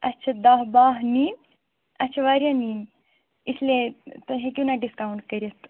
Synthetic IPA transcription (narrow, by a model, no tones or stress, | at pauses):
ɐt͡ʃʰɐd̪aɦbaɦni | ɐtːt͡ʃʰɐʋaɾjaniːn | islet̪əɦekʲunaɖiskawuɳʈ̚kəɾjɐt̪